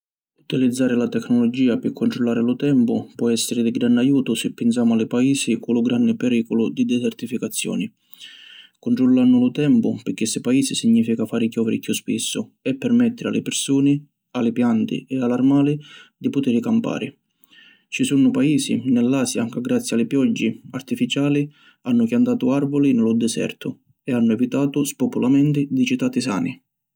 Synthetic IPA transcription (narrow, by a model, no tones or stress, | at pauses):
ut̪ilid̪zːaːɾɪlat̪ɛkːnɔlɔd͡ʒiːapɪkʰːʊɳt̪ɾɔlːaːɾɪlʊt̪ɛmpʊpwɔɛsːɪɾɪd̪iɡɾanːajuːt̪ʊsɪpːɪns̬jaːmʊalɪpaiːsikʊlʊɡɾanːɪpɛɾiːkɔlʊd̪id̪ɛsɛrt̪ifikat̪sːjɔ̰ːni | kʊnʈ̪ɾɔlːanːʊlʊt̪ɛmpʊpɪkːɪsːɪpaiːsisiɲːiːfikafaːɾɪkjɔːvɪɾɪkjuspisːʊɛpːɛrmɛt̪ːɪɾɪa̰lɪ̰pɪrsuːnɪ | alɪpjant̪ḭɛalarmaːlid̪ipʊt̪iɾɪkampa̰ːɾɪ̰ | t͡ʃisunʊpaiːsḭnɛlːaːsjakɪɡːɾat̪sːjalɪpjɔd͡ʒːia̰rt̪ifit͡ʃaːli | anːʊkjant̪aːt̪ʊarvʊlinɪlʊd̪ɛsɛ̰rt̪ʊ | ɛanːʊɛvit̪aːt̪ʊspɔpulamɛnt̪ɪd̪it͡ʃit̪aːt̪isa̰ːni